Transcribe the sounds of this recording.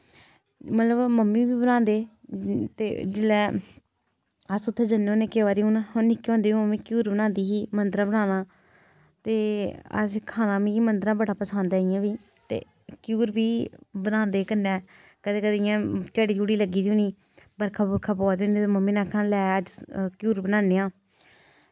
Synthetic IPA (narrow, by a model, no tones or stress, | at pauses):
mət̪ləbməmːiːbiːbənãːnd̪eːt̪ḛːd͡ʒɪlːɛː | əsʊt̪ʰːeːd͡ʒənːeoːneːkeːʋaːɾiːʊnɦonɪkːeõːnd̪eːʋiməmːĩːkjuːɾbənãːnd̪iːɦiːmənd̪əɾãːbənãːnãː | t̪eːə̰skʰaːnãːmĩːiːmənd̪əɾãːbəɽaːpəsaːnd̪aːɪjãːbiː | t̪ḛː | kjuːɾbiːbənãːnd̪eːkənːɛː | kəd̪eːkəd̪eɪjãːt͡ʃaːɽiːd͡ʒuːɽiːləɡiːd̪ũːniː | bəɾkʰaːbəɾkʰaːpɔːd̪õːnːt̪ːməmːiːnãːkʰãːlɛːəd͡ʒkjuːɾbənãːneːãː